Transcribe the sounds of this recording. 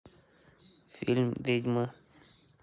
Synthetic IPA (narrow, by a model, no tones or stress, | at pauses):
filmd̪ed͡ʒmə